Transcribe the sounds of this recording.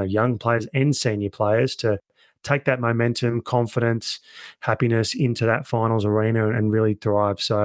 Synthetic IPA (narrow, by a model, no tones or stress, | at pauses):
jʌ̃ŋpʰl̥eɪə˞zɨ̃nsɛ̃njə˞pʰl̥eɪə˞z̥tʰɨ | tʰeɪk̚ðɨt̚moʊmɛ̃ntʰɨ̃mkʰɑ̃ɱfəɾɨ̃nshæpinɨsɪ̃ntʰʉðɨtfãɪ̃nl̩ˠzə˞ĩñɨ̃ɨ̃nɹɪlˠiθɹaɪv̥soʊ